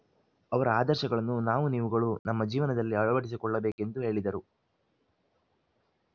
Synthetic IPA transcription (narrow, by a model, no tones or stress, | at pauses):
ɐʋɐɾɐaːd̪ɐɾʃɐɡɐɭɐnːunaːʋuniːʋuɡɐɭunɐmːɐd͡ʒiːʋɐnɐd̪ɐlːiɐɭɐʋɐʈis̬ikɔɭːɐbeːke̞nd̪uɦe̞ːɭid̪ɐɾu